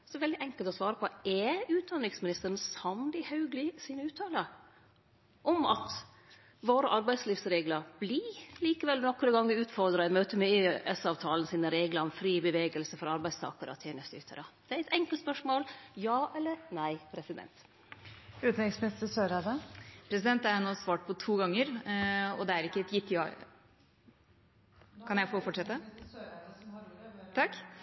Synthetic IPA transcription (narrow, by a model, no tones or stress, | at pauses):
sɔʋɛld̪ɪʔɛŋkəlt̪ɔsʋɑːɾəpʰɔɛʉːt̪̚d̪ɑnɾɪŋsmɪnɪst̪əɾən̩sɑmlɪhɑʉɡlɪsiːnəʉːt̪ʰːɑːlə | ʔɔmɑt̪ | ʋoːɾəʔɑɾbæɪd̪sliːfsɾeːɡləɾb̥liliːkəʋɛlːnɔkːəɾəɡɑŋːʋɪʉːt̪fɔɾd̪ɾəɛmøːt̪əmɛʔɛsɑːʋt̪ʰɑːln̩siːnəɾeːɡləɾɔmfɾiːbəʋeːɡəlsəfɔɾɑɾbæɪst̪ʰɑ̰ːkəɾə̰ɔ̰t̪ʰjeːnəst̪əʉt̪ʰːə̰ɾɑd̪̥ɛæɾɛt̪ɛŋkəlt̪spœʂmoːljɑːʔɛlːəɾnæɪpʰɾɛsɪd̪ɛ̰nt̪ | ʉːt̪nɛŋsmənɪst̪əsøːɾɑd̪ɑpʰɾɛsɪd̪ɛnt̪æɾænoːsʋɑːʈ̚pʰɔt̪ʰuːɡɑŋːəɾɔ̰d̪ɛæɾɪkːəɛt̪jɪt̪ːjɑ̰ | kʰɑnjæɪfofɔʈʂɛt̪ːə | t̪ʰɑkː